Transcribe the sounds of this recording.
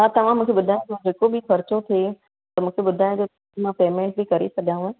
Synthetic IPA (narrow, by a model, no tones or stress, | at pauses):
ɦat̪ɐʋ̤ãmũːkʰeɓʊd̪ʱaːjõd͡ʑod͡ʑeːkobixɐɾt͡ɕot̪ʰie | t̪ɐmũːkʰeɓʊd̪ʱaːj̃d͡ʑoɐmãpeːmẽːɳʈ̚bikɐɾḛsɐɠãːũẽ